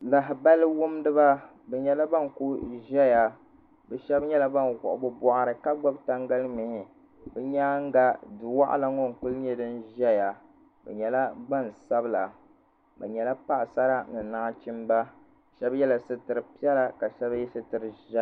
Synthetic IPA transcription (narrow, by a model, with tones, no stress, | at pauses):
la˨ɦɪ˨ba˦lɨ˦wʊ˦mdɨ˦ba˦ | bɛ˨ɲɛ˨la˦ba˦ŋ˨ku˦ʒɛ˦ja˨ | bɛ˨ʃɛ˦bɲɛ˦la˦ba˦nɣʊ̰˨ʔʊ̰˦bʊ˦bɔ˨ʔa˦ɾɨ˨ka˦ɡ͡bɔ˦bta˦ŋɡa˦lmi˨ɪ˨ | bɛ˦ɲaː˦ŋ˦ɡa˨dɨ˨wa̰˦ʔa̰˦la˦ŋo˦˨ŋ̩˨k͡pu˦lɲɛ˦dɨ˦nʒɛ˦ja˨ | bɛ̰˨ɲɛ˨la˦ba˦˨n˨sa˦bɨ˦la˨ | bɛ˨ɲɛ˨la˦pa˦ʔsa˦ɾa˦nɨ˨naː˦t͡ʃi˦mba˦ | ʃɛ˦bjɛ˦la˨sɨ˦tɨ˨ɾɨ˨pi˦ɛ˦la˦ka˨ʃɛ˦bjɛ˦sɨ˦tɨ˨ɾɨ˨ʒɛ˦˨